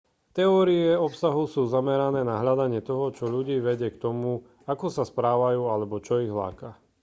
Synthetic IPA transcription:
t̪ɛɔːɾiɛɔpsaɦusuːzamɛɾanɛːnaɦʎad̪aɲɪɛt̪ɔɦɔt͡ʃɔʎuɟiːʋɛɟɪɛkt̪ɔmu | akɔsaspɾaːʋajuːalɛbɔt͡ʃɔiɣɦla̰ːka

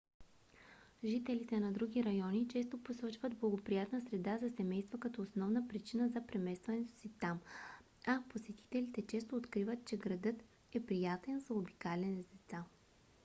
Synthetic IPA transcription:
ʒit̪ɛlit̪ɛnɐd̪ɾuɡʲiɾɐjɔnit͡ʃɛs̬t̪oposɔt͡ʃvəd̪blˠɐɡopɾijat̪nəsɾɛd̪azɐsɛmɛjst̪vəkɐt̪ɔosnɔvnəpɾit͡ʃinəzɐpɾɛmɛst̪vɐnɛt̪o̥sit̪am | aposɛt̪i̥t̪ɛlit̪ɛt͡ʃɛs̬t̪oːt̪kɾivət̪̚t͡ʃɛɡɾɐd̪ɤt̪ | ɛpɾijat̪ɛnzɐobikalɛnzd̪ɛt̪sa

